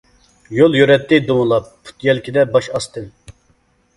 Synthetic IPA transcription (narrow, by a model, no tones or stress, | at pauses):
jolˠjøɾɛt̪ːɪd̪owlˠɑp̚ːʰu̥t̪jɛlkʲʰid̪ɛbɑʃɑst̪ɨn